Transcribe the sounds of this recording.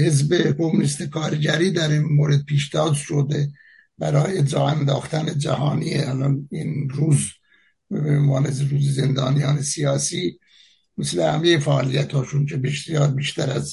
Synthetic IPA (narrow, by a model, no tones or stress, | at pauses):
hezbekʰo̞munist̪ekʰɑːɾɟæɾiːd̪æɾinmoɾed̪̚pʰiːʃd̪ɒːzʃod̪e | b̥æɾɒːjed͡ʒɒːænd̪ɑːxt̪æned͡ʒæ̰hɑːniːehælɒninɾuːz | bemvɑːnezɾuːzezend̪ɒːnijɑːnesijɑːsiː | meslehæmejefæɑːlijæt̪hɒːt͡ʃuncʰebeʃsijɒːɾbiːʃt̪æɾæz